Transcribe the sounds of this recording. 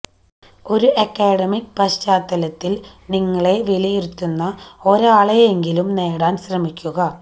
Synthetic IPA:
o̞ɾuʔɐkːeːɽɐmikpɐɕt͡ɕaːt̪ːɐlɐt̪ːil | niŋːɐɭe̞ʋilijeɾut̪ːunːɐo̞ɾaːɭejeŋɡilumne̞ːɽaːnɕrɐmikʲːuɣɐ

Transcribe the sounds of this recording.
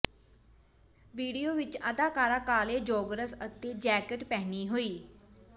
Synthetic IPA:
ʋiːɖijoːʋɪt͡ʃəd̪aːkaːɾaːkaːleːd͡ʒɔːɡɾəsət̪eːd͡ʒɛːkəʈpɛːniːɦoːiː

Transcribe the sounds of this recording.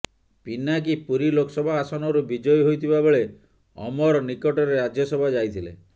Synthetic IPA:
pinak̬ipuɾilokɔsɔbʱaːsɔnɔɾubid͡ʒɔjɔɦojt̪ʰibabeɭe | ɔ̰mɔɾɔnikɔʈɔɾeɾad͡ʒjɔsɔbʱad͡ʒajt̪ʰilḛ

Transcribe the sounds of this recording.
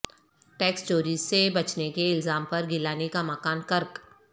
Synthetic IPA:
ʈɛːksʈoːɾizsebɐt͡ʃnekeɪlzaːmpɐɾɡɪlaːnekamɐkaːnkɐɾk

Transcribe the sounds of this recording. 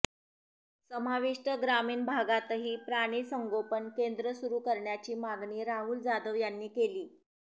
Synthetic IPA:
səmaʋiʂʈəɡɾamiːnbʱaɡat̪əɦiːpɾaɽ̃iːsəŋɡopənkend̪ɾəsuɾuːkəɾɳjat͡ɕiːmaɡniːɾaɦuːld͡zad̪əʋjanːiːkeliː

